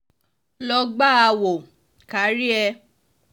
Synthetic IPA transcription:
lɔ˧ɡ͡ba˦a˧wo˨ | ka˨˦ɾi˦ɛ˧

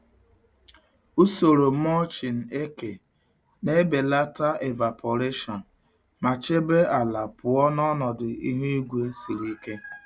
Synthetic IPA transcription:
u˦so˨ɾo˨˦mɔ˦t͡ʃi˨n̩˨e˦ke˨ | ne˦be˨la˦ta˦e˨va˨pʰɔ˨ɾe˦ʃɔ˨n˨ | ma˨t͡ʃe˦be˦a˨la˨pʊ˨ɔ˦nɔ˦nɔ˨dʊ˨ḭ˦ɦu˦i˦ɡʷe˦si˨ɾi˦ke˦

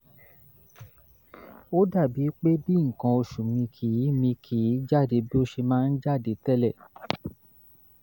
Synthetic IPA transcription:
o˦da˦˨bi˨˦k͡pe˦bi˦ŋ̩˨kã˧o˧ʃu˨mĩ˧kʰi˨˦mĩ˧kʰi˨˦d͡ʒa˦˨de˧bi˦o˦ʃe˧mãː˦n̩˦d͡ʒa˦˨de˨˦tɛ˦lɛ˦˨

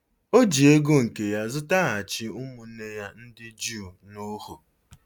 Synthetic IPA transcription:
o˦d͡ʒi˨e˦ɡo˦ŋ̩˨ke˨ja˦zʊ˦ta˦a˨t͡ʃɪ˦ʊ˦mʊ˨˦ne˦ja˦n̩˦dɪ˦d͡ʒu˦˨no˦ho˨

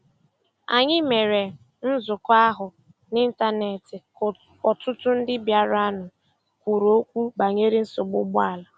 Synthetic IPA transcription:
a˨ɲɪ˦me˨ɾe˨ | n̩˦zʊ˨kʷa˦ɦʊ˨ | ni˦n̩˦ta˦ne˨tɪ˨ | ɔ˨tʊ˦tʊ˦n̩˦dɪ˦bja˦ɾa˦nʊ˨ | kʷu˨ɾo˨o˦kʷu˦ba˨ɲe˦ɾi˦n̩˦sʊ˨ɡ͡bʊ˦ɡ͡bʊ˦a˦˨la˨

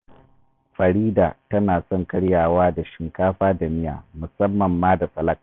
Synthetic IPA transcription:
ɸɐ˨ɾiː˦da̰ː˨tɐ˦naː˨sɔ˦˨ŋkɐ˦ɽjaː˨waː˦da˨ʃɪ˨ŋkaː˦ɸaː˦da˨mɪ˦ja̰ː˨mʊ˨sɐ˦mːɐ˨mːaː˦da˨sɐ˨lɐ˦k̚

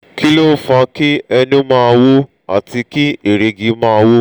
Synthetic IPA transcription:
ki˦lo˦fa˧ki˦ɛ˧nũ˦mãː˦˧wo˦ | a̰˨ti˧ki˦e˨ɾe˨ɡi˧˦mãː˦˧wo˦

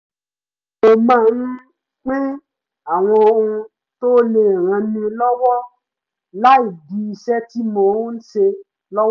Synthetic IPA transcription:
o˧˨mãː˦˨n̩˦ | k͡pẽ˦ | a˨w̃ɔ̃˧ũ˧ | to˦le˧˨ɾ̃ã˧nĩ˧lɔ˦wɔ˦ | la˦i˦˨di˨˦i˧ʃɛ˦ti˦mɔ̃˦˨˦n̩˦ʃe˧ | lɔ˦

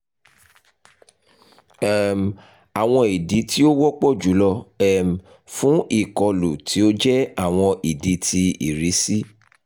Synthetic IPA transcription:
ɛ˦˨m˨ | a˨w̃ɔ̃˧i˨di˨˦ti˦o˦wɔ˦k͡pɔ˦˨d͡ʒu˨˦lɔ˧ɛ˦m˨ | fũ˦ʔi˦˨kɔ˧lu˨tʰi˨˦o˦d͡ʒɛ˦a˦˨w̃ɔ̃˧ʔi˨di˨˦tʰi˧ḭ˨ɾi˨˦si˦

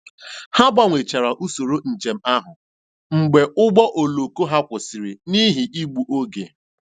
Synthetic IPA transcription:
ha˦ba˦ŋʷe˨t͡ʃa˨ɾa˨ʔu˦so˨ɾo˦n̩˨t͡ʃe˨m̩˦a˦ɦʊ˨ | ŋ͡m̩˨ɡ͡be˨ʊ˦ɡ͡bɔ˦ʔo˨lo˨ko˦ɦa˦kʷʊ˨si˨ɾi˨ni˦ɦi˨ʔi˦ɡ͡bu˨ʔo˦ɡe˨

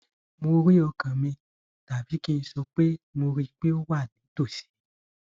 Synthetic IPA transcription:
mo˧ɾi˦ɔ˧kã˨mĩ˧ | ta˨bi˨˦kĩ˦˧sɔ˧k͡pe˦mo˧ɾi˧k͡pe˦o˦wa˦˨nĩ˨˦to˦˨si̥˨˦

